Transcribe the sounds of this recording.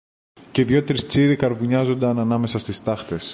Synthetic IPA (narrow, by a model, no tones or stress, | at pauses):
ce̞ðjo̞t̪ɾist͡siɾikɐɾvuɲɐzo̞nd̪ɐnɐnɐme̞sɐst̪ist̪ɐxt̪e̞s